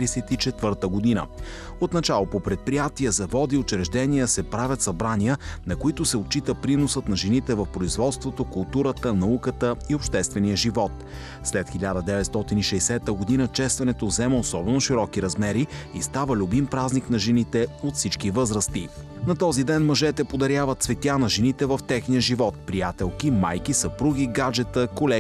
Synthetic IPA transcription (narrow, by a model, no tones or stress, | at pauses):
ɾɛsɛt̪it͡ʃɛt̪vɤɾt̪əɡod̪inə̰ | ot̪nɐt͡ʃalˠopopɾɛt̪̚pɾijat̪iəzɐvɔd̪iot͡ʃɛɾɛʒd̪ɛniəsɛpɾavʲjət̪sɐbɾaniənɐkoit̪ʊsɛot̪̚t͡ʃːit̪əpɾinosət̪nɐʒɛnit̪ɛvɐfpɾoizvɔt̪st̪vot̪okʊlˠt̪uɾət̪ənɐukət̪əiopʃt̪ɛst̪vɛnijəʒivɔt̪ | slɛt̪xɛlʲad̪əd̪ɛvɛt̪st̪ɔt̪iniʃɛjsɛt̪əɡod̪inət͡ʃɛst̪vɐnɛt̪ovzɛməosɔbɛnoʃiɾɔkiɾɐzmɛɾiḭst̪avəlʲʊbimpɾazniknɐʒɛnit̪ɛot̪fsit͡ʃkivɤzɾəst̪i | nɐt̪ɔzid̪ɛnmɐʒɛt̪ɛpod̪ɐɾjavət̪svɛt̪ʲjanɐʒɛnit̪ɛvɐft̪ɛxnijəʒivɔt̪̚pɾijat̪ɛlˠkimajkisəpɾuɡ̟ʲiɡad͡ʒɛt̪əkolɛ